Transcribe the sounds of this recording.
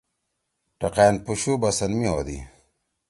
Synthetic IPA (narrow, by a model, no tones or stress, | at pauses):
ʈɐqeːnpuɕubɐsɐnmiɦoːd̪ḭ